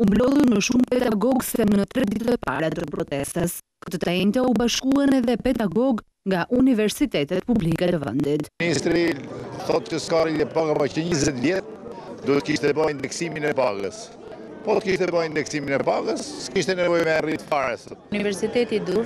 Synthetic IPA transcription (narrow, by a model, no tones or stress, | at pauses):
umblɔðˠuɾməʃumpɛd̪aɡɔɡsɛmnnət̪ɾɛd̪it̪ət̪pa̰ɾat̪əpɾɔt̪ɛst̪əs | kə̥t̪ɔt̪aɛnt̪aubaʃkuanɛðɛpɛd̪aɡɔɡ | ŋɡaʔunivɛɾsit̪ɛt̪ɛt̪publikɛt̪əvɛ̰nd̪it̪inist̪ɾiθɔt̪cəskaɾilɛpaɡapacəɲəzɛt̪djɛt̪̚ | d̪uət̪̚kiʃt̪ɛbajind̪ɛksiminɛpaɡə̰s | pɔt̪əkiʃt̪ɛbəjind̪ɛksiminɛpaɡəskiʃt̪ɛnɛvɔjmɛarit̪faɾsət̪nivɛɾsit̪ɛt̪id̪uɾ